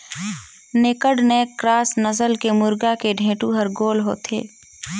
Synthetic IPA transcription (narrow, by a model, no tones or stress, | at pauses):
nɪkəɽnɛːkːɾaːsnəsəlkemʊɾɡakeɖʱẽːʈuɦəɾɡoːlɦo̰ːt̪ḛː